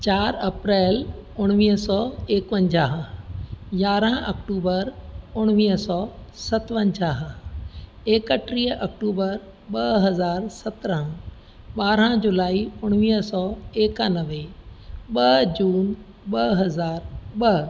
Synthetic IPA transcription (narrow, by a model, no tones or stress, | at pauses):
t͡ɕaːɾɐpɾɛːl | ʊɽ̃ʋiːɦsɔːeːkpə̃ɲd͡ʑaːɦ | jaːɾə̃ɐ̰kʈuːbəɾʊɽ̃ʋiːɦsɔːsɐt̪ʋə̃ɲd͡ʑaːɦ | eːkəʈɾiːɦʔɐkʈuːbəɾ | ɓɐɦɐzaːɾsɐt̪ɾə̃ | ɓaːɾə̃d͡ʑʊlaːiʊɽ̃ʋiːɦsɔːeːkanɐʋeɓɐɦd͡ʑuːn | ɓɐɦɐzaːɾɓɐɦ